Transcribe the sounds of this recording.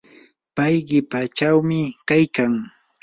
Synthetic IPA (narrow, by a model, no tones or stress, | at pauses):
pajɢɪpat͡ʃawmɪkajkaŋ